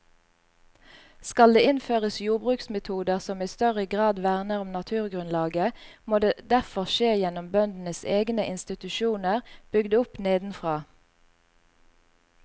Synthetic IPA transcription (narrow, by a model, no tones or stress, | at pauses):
skɑld̪eːʔɪnføːʁəsjuːʁbʁʉːksmɛt̪ʰuːd̪əʁsɔmiːst̪œʁəɡʁɑːd̪ʋæʁnəʁʊmnɑt̪ʰʉːʁɡʁʉnlɑːɡəmoːd̪eːd̪æʁfɔʁʃeːjɛnɔmbœnd̪n̩əseːɡnəʔɪnst̪ɪt̪ʉʃuːnəʁb̥ʏɡd̪ʊpneːd̪n̩fʁɑː